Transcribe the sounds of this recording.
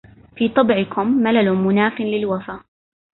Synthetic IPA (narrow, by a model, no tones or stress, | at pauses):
fiːt̪ˤɑbʕɪkʊmːalalʊmʊnaːfɪnlɪlwafaː